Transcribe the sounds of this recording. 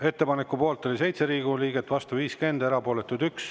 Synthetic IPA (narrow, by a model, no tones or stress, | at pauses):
e̞t̪ːe̞pɑnekːˑupo̞ːlt̪ːˑo̞lʲise̞jt̪se̞ɾiːɡ̥uliːɡ̥et̪ːˑvɑst̪uviːske̞nd̪eɾɑpo̞ːlet̪ːˑud̪yks